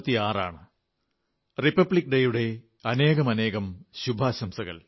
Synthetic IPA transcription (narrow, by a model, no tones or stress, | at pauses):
t̪ːiaːra̰ːɳɨ | ripːɐbɭikːɖejuɽe̞ | ɐne̞ːɣɐmɐne̞ːɣɐmɕubʱaːɕɐmsɐɣɐ̰l